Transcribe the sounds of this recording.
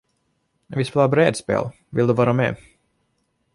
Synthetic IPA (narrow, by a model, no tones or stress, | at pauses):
vɪspeːlaɾbɾeːd̪spḛːl | vɪld̪ɵvɑːɾamḛː